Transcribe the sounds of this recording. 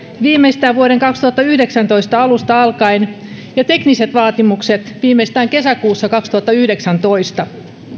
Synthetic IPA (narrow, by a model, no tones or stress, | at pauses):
ʋiːmeist̪æːʋʋuoɾeŋkɑkst̪uhɑt̪ːɑyhdeksænt̪oist̪ɑɑlust̪ɑɑlkɑinjɑt̪ekniset̪ʋɑːt̪imukset̪ʋiːmːeist̪æːŋke̞sækuːsːɑkɑkst̪uhɑt̪ːɑyhdeksænt̪oist̪ɑ